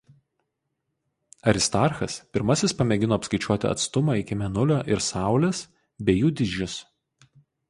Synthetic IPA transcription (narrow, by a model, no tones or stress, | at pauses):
ɐɾʲɪst̪ɑˑɾxɐspʲɪɾmɐsʲɪspɐmʲɛɡʲɪnoːpskɐɪt͡ʃʲuɔt̪ʲɪ̰ɐ̰t̪st̪ʊmɑˑɪkʲɪmʲɛnʊlʲoːʔɪɾsɑˑʊlʲeːs | bʲejuːd̪ʲɪd͡ʒʲʊs